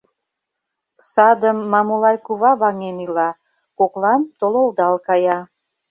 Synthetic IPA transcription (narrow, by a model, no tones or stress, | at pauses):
sɑd̪əmːɑmulɑjkuβɑβɑŋenilɑ | koklɑnt̪ololˠd̪ɑlkɑjɑ